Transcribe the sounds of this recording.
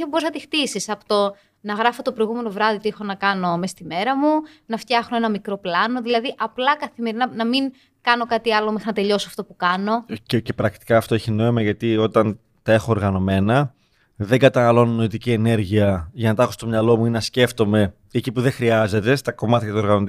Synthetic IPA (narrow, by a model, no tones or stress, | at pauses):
eboznɐt̪ixt̪isisɐpo̥t̪o | nɐɣɾɐfo̞t̪opɾo̞jɣume̞no̞vɾɐðit̪iexo̞nɐkɐno̞mest̪ime̞ɾɐmunɐft̪çɐxno̞e̞nɐmikɾo̞plɐno̞ðilɐðiʔɐplɐkɐθime̞ɾinɐnɐmiŋ | kɐno̞kɐt̪iɐlo̞mexɐnɐt̪e̞ʎo̞soɐft̪opukɐno̞cece̞pɾɐk̚t̪i̥kɐːft̪oeçino̞imɐʝɐt̪io̞t̪ɐn | t̪ɐe̞xo̞ːɾɣɐno̞me̞nɐ | ðe̞ŋɡɐt̪ɐnɐlo̞nno̞it̪icie̞ne̞ɾʝiɐʝɐnɐt̪ɐxost̪o̞mɲɐlo̞muinnɐsce̞ft̪o̞me̞ | ecipuðexɾiɐze̞t̪e̞st̪ɐko̞mɐt̪çɐt̪uo̞ɾɣɐno